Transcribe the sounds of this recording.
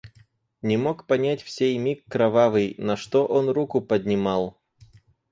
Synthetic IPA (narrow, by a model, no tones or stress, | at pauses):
nʲɪmokpɐnʲætʲfsʲejmʲikːɾɐvavɨjnɐʂt̪oʔonrukʊpədʲnʲɪmalˠ